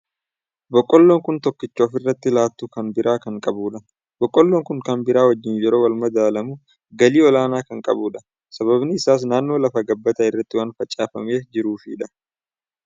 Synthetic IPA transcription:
bɔkʼːɔlːoːŋkʊnt̪ɔkːɪt͡ʃːoːfɪrːɐt̪ːɪlaːt̪ːuːkɐnbɪɾʔaːkɐŋkʼɐbuːᶑɐ | b̥ɔkʼːɔlːoːŋkʊŋkɐnbɪɾaːwɐd͡ʒːɪnjɛɾo̞ːwɐlmɐd̪aːlɐmʊ | ɡɐliːɔlaːnaːkɐŋkʼɐbuːᶑɐ | sɐbɐbnɪːɪsaːs̬naːnːo̞ːlɐfɐɡɐbːɐt̪ɐɪrːɐt̪ːɪwaːnfɐt͡ʃʼːaːfɐme̞ːd͡ʒɪɾuːfɪᶑɐ

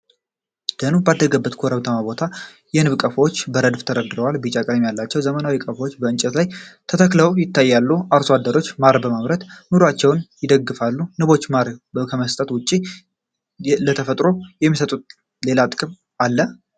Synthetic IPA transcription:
d̪̥ənubad̪ːəɡəbːət̪kʰoɾəβt̪ʰəmabo̞t̪ʰa | jɛnɨβkʼəfwot͡ʃːbəɾəd̪ft̪ʰəɾəd̪ɨɾəwalbɨt͡ʃʼakʼəɾmjalːat͡ʃːɛwzəmənawikʼəfwot͡ʃːbəɨnt͡ʃʼɛt̪lajt̪ʰət̪ʰəkləwjɪt̪ːajːalːuʔaɾsoad̪ːəɾo̞t͡ʃːmaɾbəmaβɾət̪nuɾat͡ʃːɛwnjɪd̪əɡːɨfalːunɨβo̞t͡ʃːmaɾkʰəməst̪ʼət̪wʊt͡ʃʼːi | lət̪ʰəfət̪ʼɾo̞jɛmːisət̪ʼut̪̚ | le̞lat̪ʼkʼɨm | alːə

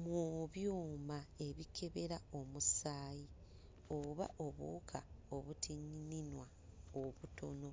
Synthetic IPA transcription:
mwoβjoːmae̞βikʰe̞βe̞ɾao̞musaːji | oβa̰ʔoβṵkʰaoβutʰiɲininwa | oβuto̞no̞

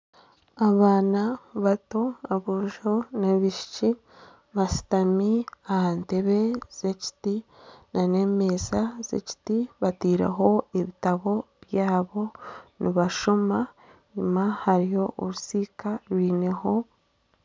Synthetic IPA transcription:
aβaːnaβato̞aβuʒo̞neβiʃi̥ci | βasi̥tamiahante̞βe̞z̥eci̥ti | nʔane̞ːme̞zazḛci̥tiβatiːɾa̰ɦo̞eβitaβo̞βjaːβo̞niβaʃoma | ɲumahaɾijo̞ʔoɾusiːkaɾwiːne̞ho̞

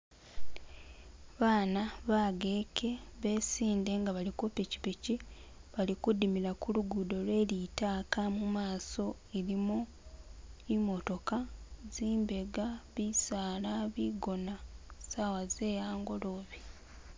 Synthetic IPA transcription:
βaːnaβaːɡeːkʰe̞βe̞siːnde̞ŋɡaβalikupeci̥piciβalikudimiɾakuluɡudo̞lwe̞ːlitaːkamumaːso̞ | eɾimu | imo̞to̞kaziːmbe̞ɡaβisaːlaβiɡo̞nasawaze̞ːjaːŋɡo̞loːβi

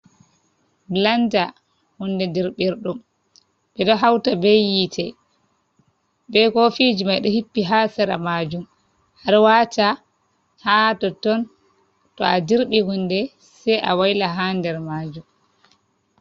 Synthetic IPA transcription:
bland͡ʒa | hundɛdiɾɓiɾɗum | ɓɛɗɔɦawtabejitʰɛ | bɛkɔfid͡ʒimajɗɔhipːiɦasɛɾa̰mad͡ʒum | haɾwaːta | hatɔtɔn | tɔadiɾɓihundɛ | sɛjʔa̰wajlaɦandɛɾmad͡ʒum

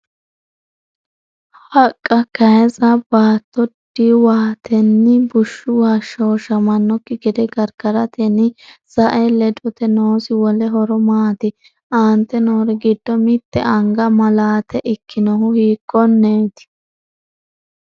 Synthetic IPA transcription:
hɐkʼːɐkɐjɛzɐbaːt̪ːɔd̪̥iwaːt̪ʰɛnːɪbʊʃːʊwɐʃɔwʃɐmɐnːɔkːɪɡɪd̪ɛɡɐɾkɐɾɐt̪ɛnɪsɐʔɛlɛd̪ɔt̪ɛnoːsɪwɔlɛɦɔɾɔmaːt̪ɪ | aːnt̪ːɛno̞ːɾɛɡɪd̪̥ːɔmɪt̪ːɛʔɐŋɡɐmɐlaːt̪ɛʔɪkːɪnɔɦʊhiːkːɔnːeːt̪ɪ̥

